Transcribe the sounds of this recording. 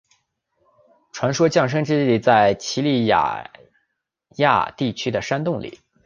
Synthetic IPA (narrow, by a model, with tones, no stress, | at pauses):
ʈ͡ʂʰwa˧˥nʂwɔ˥t͡ɕjɑ˥˩ŋʂ̬ɤ˥ŋʈ͡ʂɻ̩˥li˥˩t͡sa˥˩ɪt͡ɕʰi˧˥li˥˩ja̰˨˩ | ja̰˥˧t̪i˥˩t͡ɕʰy˥d̪ə˨ʂa˥nt̪ʊ˥˩ŋlḭ˨˩˦